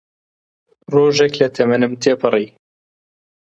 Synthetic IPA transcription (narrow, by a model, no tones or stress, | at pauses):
roːʒeklɐt̪ʰɐmɐnɨmt̪ʰeːpʰɨrˤiː